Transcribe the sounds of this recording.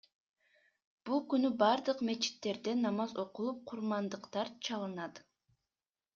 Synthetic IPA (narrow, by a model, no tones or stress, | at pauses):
b̥ulˠkynybɑɾd̪ɯqme̞t͡ʃi̥t̪ːe̞ɾd̪e̞nːɑmɑzo̞qulˠup̚qʰuɾmɑnd̪ɯqt̪ɑɾt͡ʃʰɑlˠɯnɑt̪